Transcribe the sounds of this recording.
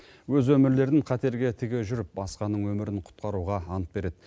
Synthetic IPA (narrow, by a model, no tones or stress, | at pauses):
wɵzwɵmɪɾle̞ɾd̪ɪŋqʰɑt̪e̞ɾɡʲe̞t̪ʰɪɡʲeʒʏɾɪp̚bɑsqɑnəɴwɵmɪɾɪɴqʰʊ̥t̪̚qɑɾuʁɑɑnət̪̚be̞ɾe̞d̪̥ɪ